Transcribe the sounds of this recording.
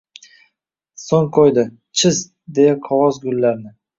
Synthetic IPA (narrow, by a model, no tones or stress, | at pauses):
soŋqʰojd̪ɪ | t͡ʃʰɪz | d̪e̞jaqʰɒwɒzɡʊlːaɾnɪ